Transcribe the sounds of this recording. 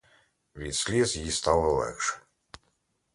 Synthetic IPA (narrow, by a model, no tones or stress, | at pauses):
vʲisʲlʲizjist̪alˠəlˠɛ̰kʂɛ̥